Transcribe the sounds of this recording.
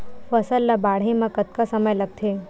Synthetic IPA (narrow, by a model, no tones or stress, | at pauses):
fəsəlːabaɽ̤ɦẽmãkət̪̚kasəməjləɡ̚t̪ʰe